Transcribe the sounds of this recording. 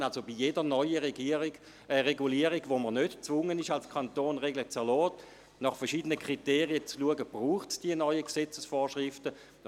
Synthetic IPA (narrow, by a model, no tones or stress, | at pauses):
alsobijedəʁnɔʏəʁeɡii̥ | ʁeɡuliəʁiɡvoməʁnøtt͡svʊŋənɪʃalskʰantoːnʁeɡlət͡sɛlɔːt | nɑχfɛɐʃiːdənəkʰʁ̥iteːʁiət͡sluəɡəb̥ʁuːχtsd̥iənɔʏəksɛt͡səsfoːʃʁɪftə